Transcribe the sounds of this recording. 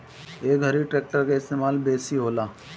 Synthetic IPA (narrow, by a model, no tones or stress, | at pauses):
eːkɐɾiʈɾeːk̚ʈəɾkeɪst̪eːmaːlbeːsiɦoːlaː